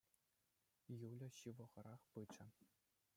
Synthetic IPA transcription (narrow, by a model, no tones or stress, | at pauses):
julʲɤ̆ɕɯʋɤ̆ʁɤ̆ɾɑχpɯt͡ɕɘ̆